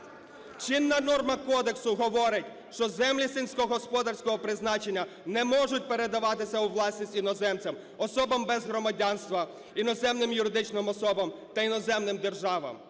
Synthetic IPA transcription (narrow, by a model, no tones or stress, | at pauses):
t͡ʃɪnːɐnɔrmɐkɔd̪eksʊɦɔʋɔɾɪtʲ | ʃt͡ʃɔzɛmlʲisinʲsʲkɔɦɔspɔd̪ɐrsʲkɔɦɔpɾɪznɑt͡ʃenʲːɐ | nɛmɔʒʊt̚ʲpe̞ɾe̞d̪ɐʋɑt̪ɪsʲɐuʋlˠɑsʲnʲisʲtʲinɔzɛmt͡sʲɐm | ɔsɔbɐmbɛzɦɾɔmɐdʲanst̪ʋɐ | inɔzɛmnɪmjʊɾɪd̪ɪt͡ʃnɪmɔsɔbɐmt̪ɐinɔzɛmnɪmd̪e̞rʒɑʋɐ̰m